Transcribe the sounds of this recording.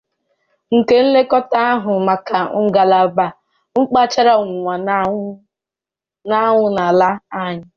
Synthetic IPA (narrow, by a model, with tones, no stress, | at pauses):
ŋ̩˨ke˨n̩˦le˦kɔ˦ta˦a˦ɦʊ˨ma˨ka˨ŋ̩˦˨ɡa˨la˨ba˨ | ŋ͡m̩˦k͡pa˦t͡ʃa˦ɾa˦ŋʷʊ˨ŋʷa˨n | na˦ŋʷʊ˨na˨la˦a˦˨ɲɪ˦